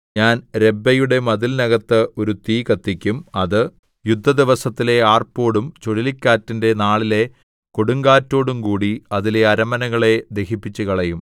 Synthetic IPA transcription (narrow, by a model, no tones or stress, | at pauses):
ɲaːnɾe̞bːɐjuɽe̞mɐðilnɐɣɐt̪ːɨo̞ɾut̪iːkɐt̪ːikʲːumɐðɨ | jud̪ʱːɐd̪iʋɐsɐt̪ːile̞aːrpːo̞ːɽumt͡ɕoɽilikʲːaːtːinde̞naːɭile̞ | koɽuŋɡaːtːo̞ːɽumkuːɽiɐðile̞ɐɾɐmɐnɐɣɐɭe̞d̪e̞hipːit͡ɕːuɣɐɭɐjum